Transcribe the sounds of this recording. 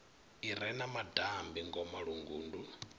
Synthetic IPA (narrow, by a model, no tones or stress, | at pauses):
iɾɛnamadambiŋɡɔmaɺuŋɡuːndu